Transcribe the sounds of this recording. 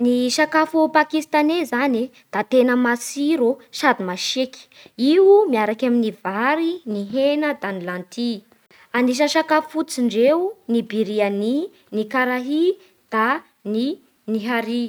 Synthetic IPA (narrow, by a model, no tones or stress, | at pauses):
niʃakafupakist̪anezani | d̪̥at̪enəmasiɾosad̪imaʃeki̥ | iumiaɾakaminivaɾiniɦenəd̪anilant̪ʰi | aniʃ̬ənʃakafufut͡siɳɖ͡ʐeunibiɾiani | nikaɾaɦi | d̪̥a | ni | niɦaɾi